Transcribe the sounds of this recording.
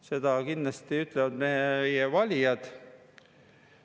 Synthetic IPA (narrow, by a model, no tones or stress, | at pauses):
se̞d̪̥ɑkinːlɑst̪iyt̪ˑlevɑd̪mejevɑlʲijɑd̪̥